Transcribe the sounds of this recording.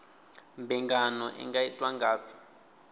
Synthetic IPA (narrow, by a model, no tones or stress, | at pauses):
mbɛŋɡanɔʔɛ̰ŋɡaitʼwaŋɡaːpʰi̥